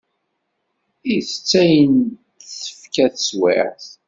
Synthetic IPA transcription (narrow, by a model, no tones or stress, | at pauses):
iθət͡sːæjən | θθə̥fkæθəswɪ̰ʕθ